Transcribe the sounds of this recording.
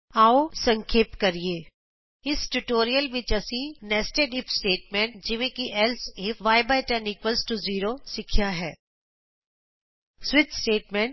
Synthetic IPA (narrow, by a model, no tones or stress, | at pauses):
aːosɐ̃ŋkʰeːpkɐɾieː | ɪsʈuʈoːɾijəlʋɪt͡ʃɐsinɛːsʈeɖɪpʰsʈeːʈmẽːɳʈd͡ʒɪʋẽkiʔɛlsɪfʋaːɪbaɪʈɛːnɪkʋəlsʈuziːɾosɪkʰjaɦɛː | swɪt͡ʃsʈeːʈmẽɳʈ